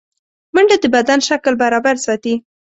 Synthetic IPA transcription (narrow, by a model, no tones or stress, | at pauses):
məɳɖad̪əbad̪anʃaklbaɾɑbaɾsɑt̪i